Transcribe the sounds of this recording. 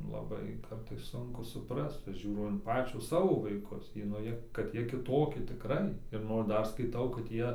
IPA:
lˠɐˈbɐɪ ˈkɐrtɐɪs ˈsʊŋkʊ sʊˈprɐst ˈʒʲuːrɐʊ ɪn ˈpɑːt͡ʃʲoː ˈsɑːʋoː ʋɐɪˈkʊs ˈjiɛ nʊ jiɛ kɐt ˈjiɛ kʲɪˈtoːkʲɪ tʲɪˈkrɐɪ ɪr ˈnoːr ˈdɐr skɐɪˈtɐʊ kɐt ˈjiɛ

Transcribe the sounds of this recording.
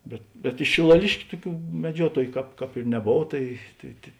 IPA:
ˈbʲɛt bʲɛt ɪʃ ʃʲɪlˠɐˈlʲɪʃʲkʲʊ ˈtʊˌkʲuː mʲɛˈd͡ʒʲuɔtoːjʊ ˈkɑːp ˈkɑːp ɪr nʲɛˈboːw ˈtɐɪ tɐɪ tʲeː

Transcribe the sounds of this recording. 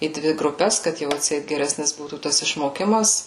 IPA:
iː ˈdʲʋʲɪ ɡrʊˈpʲɛs kɐt ˈjɛʊ ɐtʲˈsʲɛɪt ɡʲɛˈrʲæːsʲnʲɪs ˈbuːtuː ˈtɐs ɪʃmoːˈkʲɪmɐs

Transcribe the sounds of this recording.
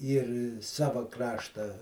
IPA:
ˈiːr ˈsɑːʋɐ ˈkrɑːʃtɐ

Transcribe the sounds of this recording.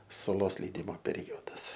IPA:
sʊˈlˠoːs lʲɛɪˈdʲɪmoː pʲɛˈrʲoːdɐs

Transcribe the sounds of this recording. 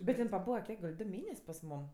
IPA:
bʲɛt ˈɪn pɐˈbuːʋɐ ˈkʲiɛk ɡɐlʲ ˈdʊ ˈmʲeːnʲɛsʲ pɐs ˈmuːm

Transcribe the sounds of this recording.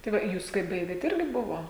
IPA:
tɐɪ ˈʋɐ ˈjuːs kɐɪ ˈbɐɪɡʲeːt ˈɪrʲɡʲɪ ˈbʊʋoː

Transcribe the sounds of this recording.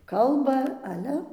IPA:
ˈkɐlˠbɐ ɐˈlʲɛ

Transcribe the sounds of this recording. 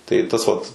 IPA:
tɐɪ ˈtɐs ʋɐt

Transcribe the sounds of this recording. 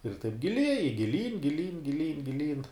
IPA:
ɪr tɐɪp ɡʲɪˈlʲiɛjɪ ɡʲɪˈlʲiːn ɡʲɪˈlʲiːn ɡʲɪˈlʲiːn ɡʲɪˈlʲiːn

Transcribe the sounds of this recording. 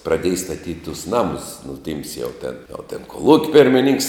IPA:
prɐˈdʲeːj stɐˈtʲiːtʲ tʊs ˈnɑːmʊs nʊ ˈtʲiːms jɛʊ ˈtʲɛn oː ˈtʲɛn koːˈlˠuːkʲ pʲɪrʲmʲɪˈnʲɪŋks

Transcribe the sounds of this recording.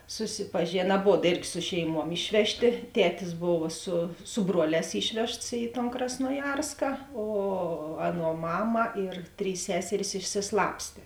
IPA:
sʊsʲɪpɐˈʒʲeːnɐ ɐˈboːt ˈeːrʲɡʲɪ ˈsʊ ʃʲɛɪˌmuɔm ˈɪʃʲʋʲɛʃʲˌtʲeː ˈtʲæːtʲɪs ˈboːʋɐ sʊ sʊ ˈbruɔˌlʲɛːs ˈɪʃʲʋʲɛʃts iː tɐn krɐsnoːˈjɛrskɐ oː ˈɑːˌnuɔ ˈmɑːmɐ ɪr ˈtʲrʲiːs ˈsʲæːsʲɛrʲɪs ɪʃʲsʲɪˈslˠɑːpʲsʲtʲeː

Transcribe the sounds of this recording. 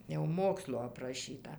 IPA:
jɛʊ ˈmoːkslˠoː ɐprɐˈʃʲiːtɐ

